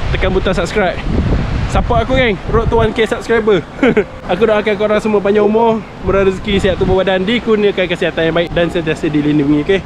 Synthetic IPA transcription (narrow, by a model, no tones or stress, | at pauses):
t̪əkanbut̪asap̚skɾajp̚sapaakuɡaŋɾoʔt̪uankesap̚skɾajbə | akudaʔakakoɾaŋsuməp̬aɲaumɔ | məɾaɾəskisiaʔ̚t̪ubobadandikunəkankəsiat̪anjaŋbaɪk̚dansənt̪iasədilinuŋike